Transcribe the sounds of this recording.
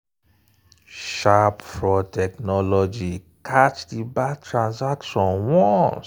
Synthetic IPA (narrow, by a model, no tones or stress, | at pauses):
ʃapfɹɔtʰɛknɔlɔd͡ʒi | kʰat͡ʃdibatʰɹãnsakʃɔ̃nwɔ̃ns